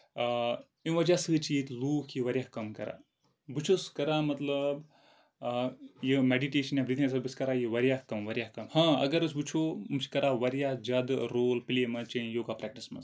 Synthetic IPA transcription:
ĩʋɐd͡ʒaːsɨːt͡ʃijit̪ʲluːkʰiʋɐɾʲjaːhkɐmkɐ̰ɾa̰ː | bɨt͡ʃʰoskɐɾaːmɐt̪lɐb | jimeɖiʈeːʃɐnjabɾit̪ʰines̬ɐbiskɐɾaːjiʋɐɾʲjaːhkɐmʋɐɾʲjaːhkɐmhãːɐ̰ɡɐɾɐsbut͡ʃʰoumt͡ʃʰkɐɾaːʋɐɾjaːd͡ʒad̪ɾoːlpilemɐt͡ʃɐjoːɡaːpɾɛk̚ʈismɐ̰ns

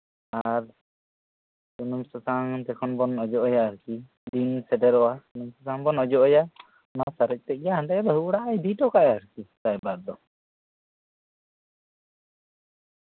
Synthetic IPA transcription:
aɾ | sunumsɔsaŋt̪ɛkʰɔnbɔnɔd͡ʒɔʔɔjaəɾki | d̪insɛɖɛɾɔwasunumsɔsaŋbɔnɔd͡ʒɔʔɔja | nasaɾɛc̚ˀt̪ɛc̚jaɦɳɖɛd̪ɔɦuɽaʔajd̪iʈɔkaʔəɾkit̪ajbad̪̚d̪ɔ

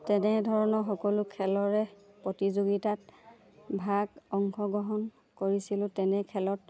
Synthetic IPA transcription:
tɛnɛdʱɔɹɔnɔxɔkɔlʊkʰɛlɔɹɛ | pɹotizoɡitat | bʱaɡɔŋkʰɔɡɹɔɦɔn | koɹisilʊ̃tɛnɛkʰɛlɔt̚

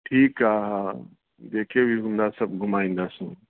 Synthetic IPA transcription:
ʈʰiːkaɦə | d̪ekʰebʱiɦũnd̪asəb̚ɡʱumaĩnd̪asũ

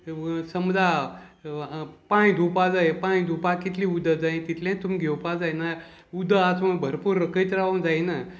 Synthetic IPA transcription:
səmd͡za | paɽ̃ĩd̪ʱupad͡zajepãĩd̪ʱupakit̪liːud̪ʱəd͡zaĩt̪it̪lʲãt̪umiɡʱewpad͡zajna | ud̪əat͡sməbʱəɾpuːɾəkəit̪ɾaʋənd͡zajna

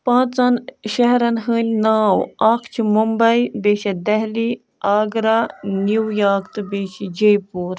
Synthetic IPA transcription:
pãːt͡sɐnʃɐɦɾɐnɦɨːnʲnaːwaːkʰt͡ʃʰimumbɐibeʃɐd̪ɐɦli | aːɡɾaniwjaːkt̪ɨbeːʃid͡ʒejpuːɾ

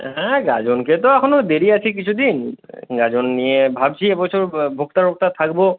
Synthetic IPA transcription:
ɦɛ̃ɡad͡ʑonket̪oɛkʰonod̪eɾiat͡ɕʰekit͡ɕʰud̪inɡad͡ʑonːijebʱab̚t͡ɕʰiebɔt͡ɕʰoɾbʱokt̪aɾok̚t̪at̪ʰakbo

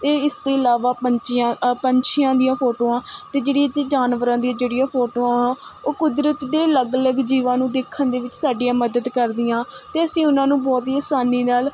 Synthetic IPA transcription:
eːɪst̪oːɪlaːʋaːpət͡ʃːpəɲt͡ʃʰɪjãːd̪ijãːpʰoːʈoːãːt̪eːd͡ʒeːɽit̪ːd͡ʒaːnʋəɾãːd̪ijãːd͡ʒeːɽijãːpʰoːʈoːãɦãːoːkʊd̪ɾət̪d̪eːləɡələɡd͡ʒiːʋãːnũːd̪eːkʰːənd̪eːʋɪt͡ʃsaːɖɪjãːməd̪əd̪kəɾd̪ɪjãːt̪eːəsĩːʊnãːnũːbɔːt̪iəsaːniːnaːl

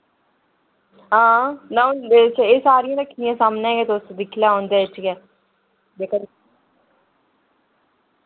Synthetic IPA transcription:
ɦãːnat͡ʃʰaeːsaːɾijãːɾəkʰːijãːsaːmnɛːɡɛːt̪oʊsd̪ɪkʰlaːɦõːnd̪aːt͡ʃʰkɛː | d̪eːkə

